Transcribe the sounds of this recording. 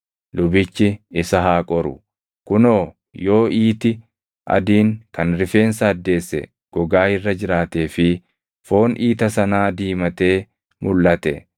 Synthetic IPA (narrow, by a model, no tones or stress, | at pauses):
lʊbɪt͡ʃːɪɪsɐɦaːkʼɔɾʊ̰ | kʊnoː | jo̞ːiːt̪ɪ | ʔɐ̰d̪iːŋkɐnɾɪfe̞ːnsɐːd̪ːe̞ːsːɛ̰ | ɡ̥ɔɡaːɪrːɐd͡ʒɪɾaːt̪e̞ːfɪ | fo̞ːnʔiːt̪ɐsɐnaːd̪iːmɐt̪e̞ː | mʊlːɐt̪ɛ̰